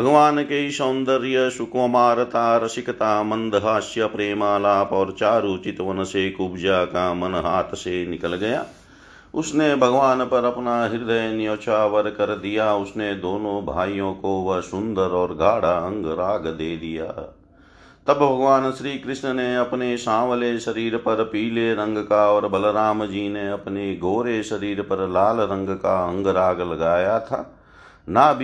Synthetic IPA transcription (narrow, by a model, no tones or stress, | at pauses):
bʱɐɡʋaːnkeiʃoːnd̪əɾjəʃʊkomaːɾt̪aːɾəsɪkt̪amɐ̃nd̪əɦaːʃjapɾeːmaːlaːpɔːɾt͡ʃaːɾut͡ʃɪt̪ʋənəsekʊbd͡ʒaːkamɐnɦaːt̪ʰsenɪkəlɡɐjaː | ʊsnebʱəɡʋaːnpɐɾɐpnaːɦɪɾd̪əjnɪjoːt͡ʃaːʋəɾkɐɾd̪ijaːʊsned̪oːnõbʱaːijõːkoʋɐsʊ̃nd̪əɾɔːɾɡʱaːɽaə̃ŋɡɾaːɡd̪eːd̪ija̰ː | t̪ɐbbʱɐɡʋaːnʃɾiːkɾɪʃnəneɐpneʃãːʋleʃɐɾiːɾpəɾpiːleɾə̃ŋɡkaɔːɾbɐlɾaːmd͡ʒiːneɐpneɡoːɾeʃəɾiːɾpəɾlaːlɾə̃ŋɡkaə̃ŋɡɾaːɡlɐɡaːjat̪ʰaː | naːbʱ